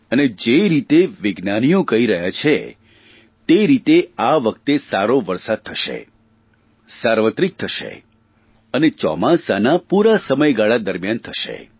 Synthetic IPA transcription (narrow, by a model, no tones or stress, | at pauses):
əned͡ʒeɾit̪eʋɪɡnanijokəiɾəɦjat͡ʃʰe | t̪eɾit̪eaʋək̚t̪esaɾoʋəɾsad̪̚t̪ʰəʃḛ | saɾʋət̪ɾik̚t̪ʰəʃḛ | ənet͡ʃɔ̰masanapuɾasəməjɡaɭad̪əɾmjant̪ʰəʃḛ